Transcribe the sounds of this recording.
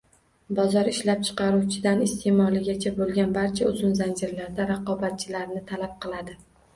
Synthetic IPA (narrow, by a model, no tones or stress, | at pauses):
bɒzɒɾɪʃlap̚t͡ʃʰɨ̥qʰɑɾuwt͡ʃʰɪd̪anɪst̪ʰemɒlˠɪɡʲat͡ʃʰabolˠɡʲanbaɾt͡ʃʰaʊzʊnzand͡ʒɪɾlaɾd̪aɾɑqɒbat̪̚t͡ʃʰɪlaɾnɪt̪ʰalap̚qʰɨlˠad̪ɪ